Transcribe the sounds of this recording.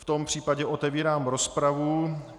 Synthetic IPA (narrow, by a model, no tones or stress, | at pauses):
ft̪o̞mpr̝̥iːpaɟɛʔo̞t̪ɛviːɾaːmɾo̞spɾavu